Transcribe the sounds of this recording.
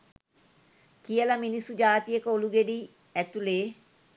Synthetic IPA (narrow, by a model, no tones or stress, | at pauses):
kijəlaminisud͡ʒaːt̪ijəkəoluɡeɖiː | æt̪uleː